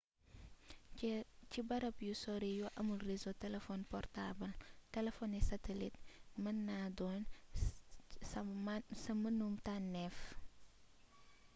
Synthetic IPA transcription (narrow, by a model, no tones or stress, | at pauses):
cibɐɾɐpjusɔɾijɔʔɐmulrizotɛlefɔnpɔrtabɐltɛlefɔnisɐtelit̚mɐnːadɔn | sɐmɐnumtanːɛf